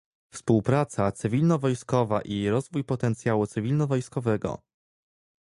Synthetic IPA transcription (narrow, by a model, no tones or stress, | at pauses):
fspuwpɾat̪sat̪sɘvʲilnɔvɔjskɔvaʔiɾɔzvujpɔt̪ɛnt̪sʲjawut̪sɘvʲilnɔvɔjskɔvɛɡɔ̰